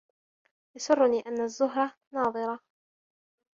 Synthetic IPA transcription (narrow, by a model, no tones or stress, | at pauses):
jɑsˤʊrˤːʊniːʔanːazːʊɦɾˤɑ | nɑːðˤɨɾˤɑ